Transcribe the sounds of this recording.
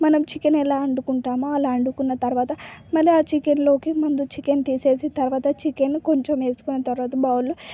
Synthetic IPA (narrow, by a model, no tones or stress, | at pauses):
mɐnɐmt͡ʃikenɛlaːɐɳɖukuɳʈaːmuɐlaːɐɳɖukunːɐt̪ɐɾʋaːt̪ɐmɐlːiaːt͡ʃikenlo̞ːkimɐnd̪ut͡ʃikent̪iːse̞ːsit̪ɐɾʋaːt̪ɐt͡ʃikenːiko̞ɲt͡ʃeme̞ːsu̥kunːɐt̪ɐɾʋaːt̪ɐbɐːwulu